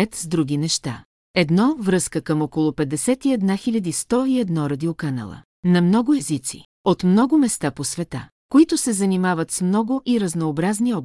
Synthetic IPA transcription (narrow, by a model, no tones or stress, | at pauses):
ɛt̪zd̪ɾuɡinɛʃt̪a | ɛd̪nɔvɾɤskəkəmɔkolˠʊpɛd̪ːɛsɛt̪iɛd̪naxilʲɐd̪ist̪ɔiɛd̪nɔɾɐd̪iokanɐ̰lˠə̰ | nɐmnɔɡʊɛzit̪sḭ | ot̪mnɔɡʊmɛst̪aposvɛt̪a | koit̪ʊsɛzɐnimavət̪smnɔɡʊʔiɾɐznoːbɾazniɔb